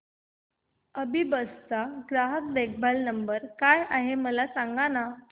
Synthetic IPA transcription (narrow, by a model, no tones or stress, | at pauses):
əbibəst̪aɡɾaɦəkbek̚ʰbalnəmbəɾkajaɦeməlasaŋɡana